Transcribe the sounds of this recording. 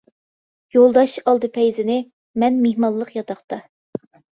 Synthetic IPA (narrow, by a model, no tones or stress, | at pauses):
jolˠd̪ɑʃɑlˠd̪ɨpʰɛjzɪnɪ | mɛnmeɦmɑnlˠəqjɑt̪ɑχt̪ɑ